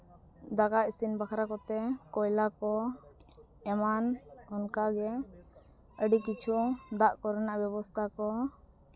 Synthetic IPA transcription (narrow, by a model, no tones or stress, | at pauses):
d̪akaʔisinbakʰɾakɔt̪ɛkɔjlakɔ | ɛmanɔnkaɡɛ | əɖikit͡ʃʰud̪aʔkɔɾɛnaʔbjɛbɔst̪ʰakɔ